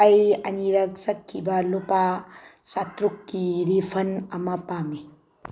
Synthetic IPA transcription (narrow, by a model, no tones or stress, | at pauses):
ɐjɐ̰niɾɐk̚sɐt̚kʰːibɐlupasatɾukːiɾipʰɐnɐmɐpami